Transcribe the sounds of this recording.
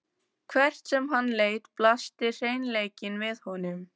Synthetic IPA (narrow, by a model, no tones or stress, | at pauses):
kʰvɛr̥t̪sɛmɦanːleːjt̪plast̪ɪr̥eːjnleːjcɪnvɪðhɔnʏm